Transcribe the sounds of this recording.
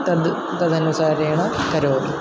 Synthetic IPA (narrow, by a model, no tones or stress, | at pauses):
t̪ɐd̪ | t̪ɐd̪ɐnusaːɾɐjaːɳɐkɐɾoːɾi